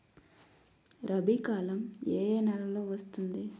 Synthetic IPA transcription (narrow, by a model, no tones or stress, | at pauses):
ɾɐbikaːlɐmeːnɐlɐloːʋɐst̪und̪i